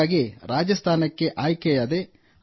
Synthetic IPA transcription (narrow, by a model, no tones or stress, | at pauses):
aːɡiɾaːd͡ʒɐst̪ʰaːnɐkːe̞ʔaːjkɛjɐd̪e